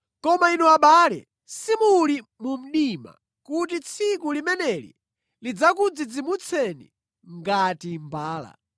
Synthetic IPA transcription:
kɔmainuaɓalɛ̰ | simulimum̩ɗima̰ | kutit͡sʰikulimɛnɛlḭ | lid͡zakud͡zid͡zimut͡sʰɛnḭ | ŋɡatimbaːla̰

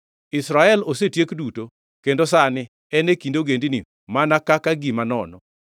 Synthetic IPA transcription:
ɪsɾaɛlosetjekduto | kendosanɪ | ɛnekindoɡendini | manakakaɡimanɔnɔ

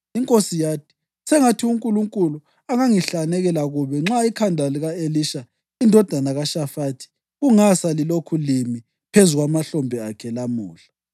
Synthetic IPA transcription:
iŋkʼosijaːt̚ʰʼi̥ | sɛŋatʰiuŋkʼuluŋkʼulu | aŋaŋiɬanɛɣɛlaɣuβɛŋ͡ǁaikʰandʱaliɣaeliʃa | indʱɔd̥ʱanaɣaʃafatʰi̥ | ɣuŋasalilokʰulimi | pʰezuɣamaɬɔmbʱɛakʰɛlamuːɬḁ

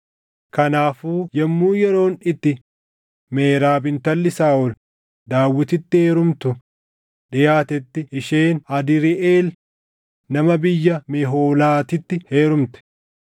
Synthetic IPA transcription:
kɐnaːfuːjɛmːuːjɛɾo̞ːnɪt̪ːɪ | meːɾaːbɪnt̪ɐlːɪsaːʔʊl | d̪aːwːɪt̪ɪt̪ːɪheːɾʊmt̪ʊ | ᶑɪjaːt̪ɛt̪ːɪɪʃeːnɐd̪ɪɾɪʔeːl | nɐmɐbɪjːɐmeɦoːlaːt̪ɪt̪ːɪheːɾʊmt̪ɛ̥

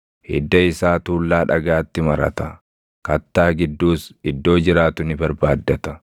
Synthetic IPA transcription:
ʔɪ̰d̪ːɐɪsaːt̪uːlːaːᶑɐɡaːt̪ːɪmɐɾɐ̰t̪ɐ | kɐt̪ːaːɡɪd̪ːuːsɪd̪ːo̞ːd͡ʒɪɾaːt̪ʊnɪbɐɾbaːd̪ːɐt̪ɐ̥

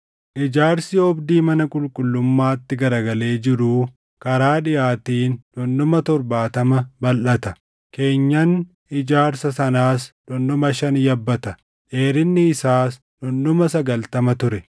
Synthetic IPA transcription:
ʔɪd͡ʒaːɾsɪɔbd̪iːmɐnɐkʼʊlkʼʊlːʊmːaːt̪ːɪɡɐɾɐɡɐle̞ːd͡ʒɪɾuː | kɐɾaːᶑɪjaːt̪iːnᶑɔnːɔmɐt̪ɔɾbaːt̪ɐmɐbɐlʔɐt̪ɐ | ke̞ːɲːɐn | ɪd͡ʒaːɾsɐsɐnaːsᶑɔnːɔmɐʃɐnjɐbːɐt̪ɐ | ʔeːɾɪnːɪːsaːs | nɔnːʊmɐsɐɡɐlt̪ɐmɐt̪ʊɾɛ

